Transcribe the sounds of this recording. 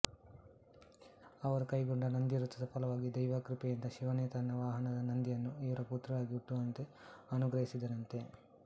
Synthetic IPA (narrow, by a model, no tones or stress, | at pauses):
ɐʋɐɾukɐjɡoɳɖɐnɐnd̪ijɐɾut͡ʃːɐd̪ɐpʰɐlɐʋaːɡid̪ɐjʋaːkɾipɛjɐnd̪ɐʃiʋɐnjɐt̪ɐnːɐʋaːɦɐnɐd̪ɐnɐnd̪ijɐnːuiʋɐɾɐpuːt̪ɾɐʋaːɡiuʈːuʋɐnt̪e | ɐnuɡɾɐɦisid̪ɐɾɐnt̪e̞